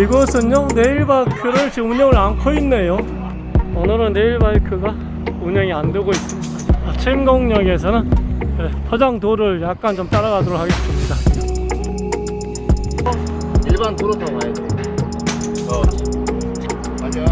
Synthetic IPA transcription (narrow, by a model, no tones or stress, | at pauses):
iɡʌsʰɯɲjone̞iɭbaɭkʰɯɾɯɭt͡ɕimuɲʌŋɯɾankʰoinːe̞jo | ʌnɯɾɯnːe̞iɭbaɭkʰɯɡa | uɲʌŋiandɯɡois͈ɯmɲidat͡ɕʰemɡʌŋɲʌɡe̞s̬ʰʌnɯnepʰʌd͡ʑaŋdoɾɯɭjak̚k͈ant͡ɕomt͈aɾaɣadoɾokʰaɡe̞s͈ɯmɲida | iɭbantoɾotʌmajet